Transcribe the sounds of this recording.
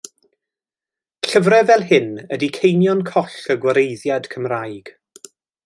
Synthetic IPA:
ɬəvɾɛvɛlˠhɪnədikʰejnjɔnkʰɔɬəɡwəɾejðjad̥kʰəmrajɡ̥

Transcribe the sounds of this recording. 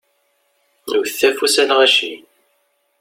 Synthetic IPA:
wθθæfusælʁæʃḭ

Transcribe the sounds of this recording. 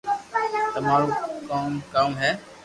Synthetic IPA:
t̪ɐmaːɾoːkaːmkaːmɦɛː

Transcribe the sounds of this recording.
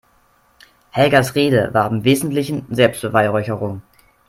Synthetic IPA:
hɛlɡɐsʁeːdə̰vaːɐɪmveːzn̩tlɪçn̩zɛlpstb̥əvaɪʁɔʏçəʁʊŋ

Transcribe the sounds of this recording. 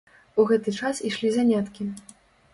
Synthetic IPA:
uɣɛt̪ɨt͡ʂasiʂlʲizanʲat̪kʲi

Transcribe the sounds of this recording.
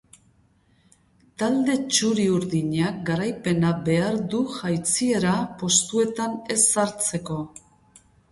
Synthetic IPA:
t̪ald̪e̞t͡ʃuɾiuɾðiɲak̚ɡaɾajpe̞nabe̞aɾðuʝajt͡sie̞ɾapo̞st̪ue̞t̪ane̞saɾt͡se̞ko̞

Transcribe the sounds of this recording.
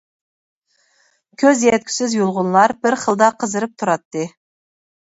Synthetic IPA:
kʲʰɵzjet̪̚kʲʰɪ̥sɪzjulˠʁʊnlˠɑɾbɪɾχəlˠd̪ɑqʰəzɨɾɨp̚t̪ʰʊɾɑt̪ːɨ

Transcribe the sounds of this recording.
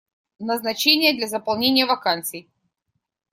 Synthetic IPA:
nəznɐt͡ɕenʲɪjəd̪lʲɐzəpɐlˠnʲenʲɪjəvɐkant̪sɨj

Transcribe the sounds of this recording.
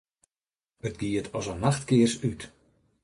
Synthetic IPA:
ət̚ɡiətʰɔsanaxtkɪərsyt

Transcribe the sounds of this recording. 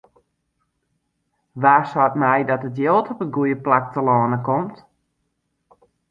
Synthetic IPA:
ʋaːsɔtmɛjdɔtətjolˠtʰɔpənɡujəplak̚təlɔːnəkɔmt

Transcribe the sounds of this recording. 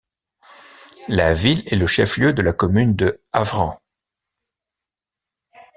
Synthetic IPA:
lavilɛləʃɛfljød̪əlakɔmynd̪əavʁɑ̃

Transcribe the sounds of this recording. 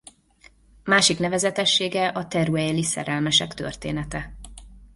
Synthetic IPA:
maːʃiknɛvɛzɛt̪ɛʃːeːɡɛʔɒt̪ɛɾuɛjlisɛ̰ɾɛlmɛʃɛkt̪ø̰rt̪ḛːnɛt̪ɛ

